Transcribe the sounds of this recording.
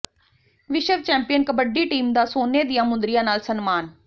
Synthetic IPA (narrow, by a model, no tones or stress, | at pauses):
ʋɪʃəʋt͡ʃɛ̃ːmpɪjənkəbəɖiːʈiːmd̪aːsoːneːd̪ɪjãːmʊ̃nd̪ɾɪjãːnaːlsənmaːn